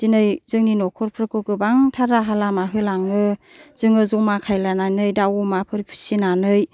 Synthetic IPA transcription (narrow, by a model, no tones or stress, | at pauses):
z̥inɯjzɯŋninɔkʰɔɾpʰɾɯkɯɡɯbaŋtʰaɾaɦalamaɦɯlaŋnɯz̥ɯŋɯzumakʰajlananɯjdawumapʰɯɾipʰi̥sinanɯj